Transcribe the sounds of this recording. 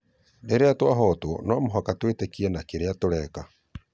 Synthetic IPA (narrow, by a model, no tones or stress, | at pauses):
deɾeatwaɦɔtonɔmoɦakatwetekiɛnakeɾeatoɾɛːka